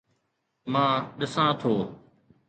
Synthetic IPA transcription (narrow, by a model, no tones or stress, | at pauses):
mãːɗɪsãːt̪ʰoː